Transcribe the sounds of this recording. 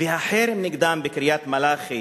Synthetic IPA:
vehaħeɾniɡd̪ambekɾijat̪malaχi

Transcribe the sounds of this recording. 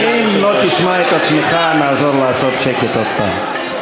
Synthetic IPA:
imlot̪iʃmaet̪at͡smeχanaːzoɾlaːsot̪ʃeket̪ot̪̚pa̰n

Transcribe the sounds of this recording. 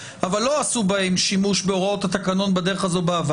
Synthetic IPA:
ʔavalːo̞asubahe̞mʃimuʃbeo̞ʁao̞t̪hat̪akano̞nbad̪e̞ʁeχazo̞baaːva

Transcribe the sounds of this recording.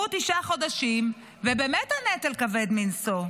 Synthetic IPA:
utiʃaχo̞daʃim | vebeːmethanetelkavedminso

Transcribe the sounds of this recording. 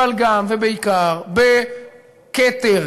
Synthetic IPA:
alɡamvebeikaʁbe | ket̪e

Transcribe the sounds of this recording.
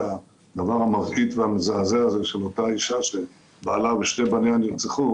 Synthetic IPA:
a | d̪avaʁhamaʁkit̪veamezaazeazeʃelo̞t̪aiʃaʃe | baːlabeʃtebaneanjit͡siχu

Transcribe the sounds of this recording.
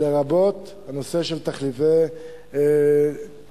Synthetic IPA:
eʁabot̪ | hanose̞ʃelt̪aχlive

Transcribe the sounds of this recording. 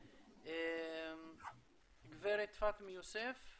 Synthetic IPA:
em | ɡvɛɾet̪fat̪mɪjusɛf

